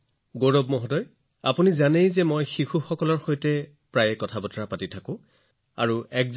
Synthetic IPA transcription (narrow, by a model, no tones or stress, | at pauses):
ɡoɹobmɔɦɔdɔj | apunizanejzɛmojxixuxɔkɔlɔɹxojtɛ | pɹajɛkɔtʰabɔtɔɹapatitʰakʊ̃ | aɹuʔɛkz